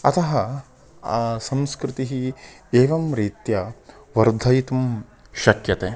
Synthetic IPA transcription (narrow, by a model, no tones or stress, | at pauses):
ɐt̪ɐɦɐ | sɐmskɾɪt̪iɦi | eːʋɐmɾiːt̪jɐ | ʋɐɾd̪ʱɐjt̪um | ʃɐkjɐt̪eː